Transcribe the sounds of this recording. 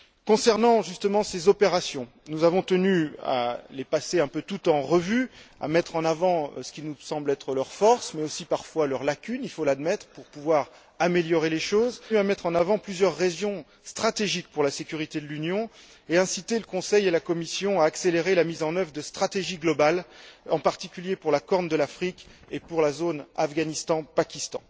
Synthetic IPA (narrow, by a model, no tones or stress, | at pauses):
kɔ̃sɛʁnɑ̃ʒyst̪əmɑ̃sezɔpeʁasjɔ̃ | nuzavɔ̃t̪ənya̰lepaseɛ̃pøt̪ut̪ɑ̃ʁəvya̰mɛt̪χɑ̃navɑ̰̃sə̥kʲinusɑ̃blɛt̪χəlœʁfɔʁsmɛosipaʁfwalœʁlakʲynilfolad̪mɛt̪χəpuʁpuvwaʁ | ameljɔʁeleʃozyamɛt̪χɑ̃navɑ̃plyzjœʁːeʒjɔ̃ | st̪χat̪eʒik̚puʁlasekʲyʁit̪ed̪əlynjɔ̃ | eɛ̃sit̪eləkɔ̃sɛjelakɔmisjɔ̃aːkseleʁelamizɑ̃nœvʁəd̪əst̪χat̪eʒiɡlɔbalɑ̃paʁt̪ikʲyljepuʁlakɔʁnd̪əlafχikʲepuʁlazonafɡanist̪ɑ̃pakʲist̪ɑ̰̃